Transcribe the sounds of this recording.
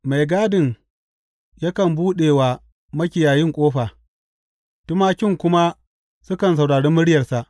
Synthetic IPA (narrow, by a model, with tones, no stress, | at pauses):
ma˨jɡaː˦dɪ˨ŋ | ja˦kɐ˨mbuː˦ɗeː˨wa˨ | mɐ˦kʲɪ˨jaː˨jɪ˦ŋkʷʼoː˦ɸaː˨ | tʊ˦maː˦kʲɪ˦ŋkʷʊ˦ma˦ | sʊ˦kɐ˨ns̬a˨wɽaː˨ɽeː˦mʊ˦ɽɪ˦jɐ˨rsa˨ʔ